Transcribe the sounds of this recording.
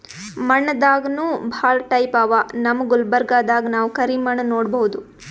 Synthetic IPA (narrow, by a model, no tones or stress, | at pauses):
mɐɳːɐd̪aːɡɐnuːbʱaːɭɐʈɐjpaːʋanɐmɐɡulbɐɾɡaːd̪aːɡɐnaːʋukɐɾimɐɳɐnoːɽbɐɦud̪u